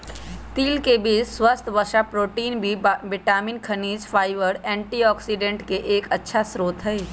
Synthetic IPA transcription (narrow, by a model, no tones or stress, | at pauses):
t̪iːlkebiswəst̪ʰʋəʃapɾoːʈiːnbʱiʋɪʈaːmɪnkʰəniːd͡ʒfʰaːɪʋəɾɛ̃ːɳʈiɔːksiːɖẽɳʈkeʔeːkətːʃʰasɾoːt̪ɦɛe